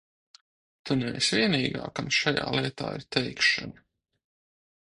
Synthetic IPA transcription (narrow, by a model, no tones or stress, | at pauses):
t̪unɛɛ̰svʲiɛniːɡa̰ːkamʃaja̰ːlˠiɛt̪a̰ːḭɾt̪ɛjkʃa̰na